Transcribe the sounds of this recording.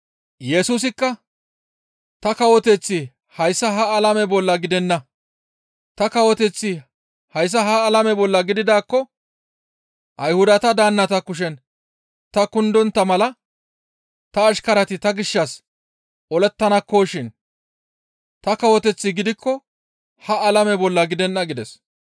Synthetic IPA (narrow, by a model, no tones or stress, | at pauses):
jɛsuːs̬ɪkːɐ | t̪ɐkɐwɔt̪ɛt͡sːɪ | hɐjsːɐɦɐːlɐmɛbɔlːɐɡɪd̪ɛnːɐ | t̪ɐkɐwɔt̪ɛt͡sːɪ | hɐjs̬ːɐɦɐːlɐmɛbɔlːɐɡɪd̪ɪd̪aːkːɔ | ʔɐjhʊd̪ɐt̪ɐd̪aːnːɐt̪ɐkːʊʃ̬ɛn | t̪ɐkʊnd̪ɔnt̪ːɐmɐlɐ | t̪ɐːʃkɐɾɐt̪ɪt̪ɐɡɪʃːɐs | ɔlɛt̪ːɐnɐkːoːʃɪn | t̪ɐkɐwɔt̪ɛt͡sːɪɡɪd̪ɪkːɔ | hɐɐlɐmɛbɔlːɐɡɪd̪ɛnːɐɡɪd̪ɛs